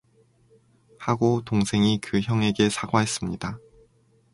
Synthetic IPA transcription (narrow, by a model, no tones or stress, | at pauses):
haɡotoŋsʰe̞ŋikɯçjʌŋe̞ɡe̞sʰaɡwaɦe̞s͈ɯmɲida